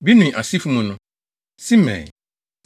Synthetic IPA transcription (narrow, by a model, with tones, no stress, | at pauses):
bi˦nũ˨ʔa˨si˦fu˦mũ˨nʊ̃˦ | si˦mɛ̰̃˨